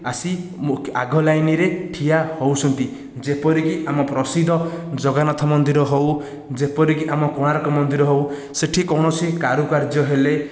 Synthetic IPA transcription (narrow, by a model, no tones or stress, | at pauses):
asimua̰ɡʱɔlajniɾeʈʰijahowsʰɔnt̪i | d͡ʒepɔɾikiamɔpɾɔsid̪ʱɔd͡ʒoɡanɔt̪ʰɔmɔnd̪iɾɔɦow | d͡ʒepɔɾikiʔamɔkoɽ̃aɾɔkɔmɔnd̪iɾɔɦow | seʈʰikɔwɽ̃ɔsʰikaɾukaɾd͡ʒjɔɦele